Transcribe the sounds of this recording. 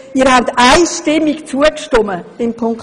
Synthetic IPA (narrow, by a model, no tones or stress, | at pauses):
iːɾhabt̪aɪʃtɪmikt͡suəkʃtʊmə̥ɪmpʰʊŋk